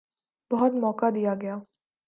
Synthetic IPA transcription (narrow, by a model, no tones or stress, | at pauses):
b̥ɐɦʊt̪mɔːkad̪ijaɡɐjaː